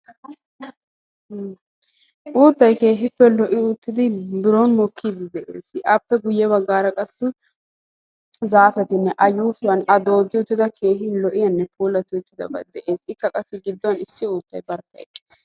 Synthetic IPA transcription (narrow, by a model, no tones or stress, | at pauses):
ʔuːt̪ːɐjke̞ːɦɪpːɛlɔʔɪʊt̪ːɪd̪ɪbɪɾoːnmɔkːid̪ɪd̪ɛʔḛːsɪʔɐpːɛɡʊjːɛbɐɡːaːɾɐkʼɐsːɪ | zaːfɛt̪ɪnːɛʔɐjuːsʊwɐnɐd̪o̞ːd̪ːɪʊt̪ːɪd̪ɐkʰe̞ːɦɪlɔʔɪjɐnːɛpʰuːlɐt̪ɪʊt̪ːɪd̪ɐ̰bɐd̪ɛʔe̞ːsɪkːɐkʼɐsːɪɡɪd̪ːɔwɐnɪsːɪuːt̪ːɐjbɐɾkːɐɛ̰kʼːeːs